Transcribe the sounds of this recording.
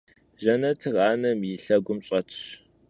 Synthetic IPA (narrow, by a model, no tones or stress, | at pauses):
ʒɐnɐtʰɨrɑːnɐmjɪɬɐɡʷʊmɕʼɐtʰɕ